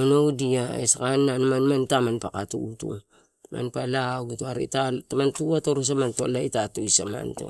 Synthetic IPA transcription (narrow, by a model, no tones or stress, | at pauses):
onowdiaesakanːanamanmantamanpakatṵutṵ | mʔa̰npalaɡutuaɾḭtatamantuatoɾus̬amantolaitatuisama̰nto̰